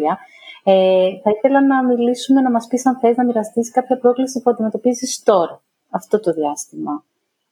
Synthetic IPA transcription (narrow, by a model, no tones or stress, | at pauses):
ɐ | eθɐiθe̞lɐnɐmilisume̞nɐmɐspisɐnθeznɐmiɾɐst̪isi̥kɐpçɐpɾo̞klisipuɐnd̪ime̞t̪o̞pizist̪o̞ɾ | ɐft̪o̞t̪o̞ðiɐst̪imɐ